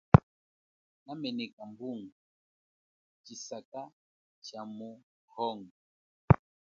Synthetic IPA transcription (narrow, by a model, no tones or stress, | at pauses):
namɛnɛkambuŋɡa | t͡ʃisaka | t͡ʃamu | hɔŋ